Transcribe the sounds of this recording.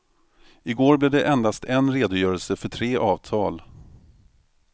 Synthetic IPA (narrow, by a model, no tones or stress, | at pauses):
ɪɡoːɾblɪɖɛʔɛnd̪ast̪ʰɛnɾeːd̪ʊjœːɾəlsəfœʈʰɾeːʔɑːvt̪ʰɑːl